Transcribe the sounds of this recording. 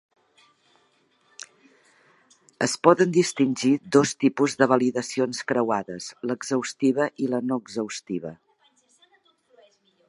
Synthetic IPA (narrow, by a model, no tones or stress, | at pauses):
əspɔðənd̪ist̪inʲʒiðost̪ipuzðəβəliðəsionskɾəwaðəsləɡzəwst̪iβəʔilənoəɡzəwst̪iβ̞ə